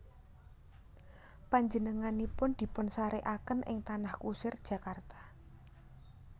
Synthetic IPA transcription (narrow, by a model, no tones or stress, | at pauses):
paɲd͡ʒənəŋanipʊnd̪̥i̤pʊnsaɾeʔakənʔɪ̰ŋt̪anahkusɪrd̥ʒ̥ä̤kart̪ḁ